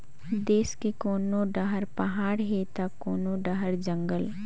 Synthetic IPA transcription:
d̪eːskekoːnoɖəɦəɾpɐɦaːɽɦet̪akoːnoɖəɦəɾd͡ʒə̃ŋɡəl

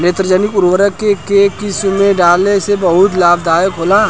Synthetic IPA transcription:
neːt̪ɾəd͡ʒəːnɪkʊɾwəɾəkːekekɪsmẽɖaːlesebəɦʊt̪laːbd̪aːjəkɦoːla

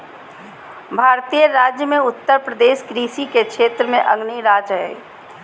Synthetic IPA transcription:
bʱaːɾt̪ijəɾaːd͡ʒjəmẽʊt̪ːəɾpɾəd̪eːʃɡɾiːsikekʃeːt̪ɾəmẽʔɐɡniɾaːd͡ʒɦɛː

